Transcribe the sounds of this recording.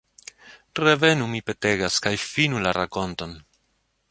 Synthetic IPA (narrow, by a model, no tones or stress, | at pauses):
ɾe̞ve̞numipe̞te̞ɡaskajfinulaɾako̞nto̞n